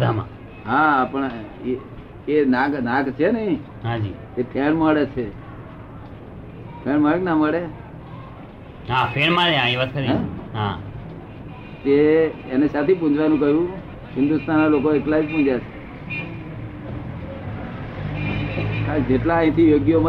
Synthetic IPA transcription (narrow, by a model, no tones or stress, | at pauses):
d̪ʱamã̰ | ɦãpəɳe | enãknãkt͡ʃʰenəɦĩ | ɦãd͡ʒi | et̪ʰeɳməɭet͡ʃʰe | t̪ʰeɳməɭeknaməɭe | ɦapʰeɳməɭeãĩʋad̪̚kəɾiɛ̃ɦa | t̪eenesat̪ʰip̬ũd͡ʒʋanũkəɦjũ | ɦɪ̃nd̪ust̪ʰanalokoeklad͡ʒpũd͡ʒjat͡ʃʰe | kad͡ʒeʈlãĩt̪ʰijoɡjom